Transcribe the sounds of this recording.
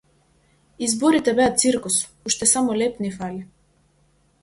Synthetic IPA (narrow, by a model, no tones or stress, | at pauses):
izbɔɾit̪ɛbɛat̪t̪siɾkus | uʃt̪ɛsamɔlɛpnifali